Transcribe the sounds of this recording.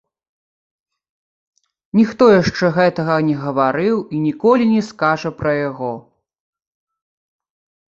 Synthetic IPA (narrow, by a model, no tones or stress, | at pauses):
nʲixt̪ɔjaʂt͡ʂɛɣɛt̪ɐɣɐnʲɛɣɐvaɾɨwinʲikɔlʲinʲɛskaʐɐpɾɐjaɣɔ